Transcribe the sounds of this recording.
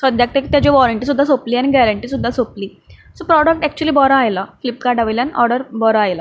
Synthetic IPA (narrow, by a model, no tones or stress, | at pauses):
səd̪ʱjak̚t̪et̪jat͡ɕeʋɔɾəɳʈiːs̬ud̪ʱːasopliːañiɡæɾəɳʈiːsud̪ʱːasopliː | sopɾɔɽək̚ʈɛk̚t͡ɕuəliːbɔɾaajlaflip̪̚kaɾʈaʋəljaniʔɔɾɖəɾbɔɾaajla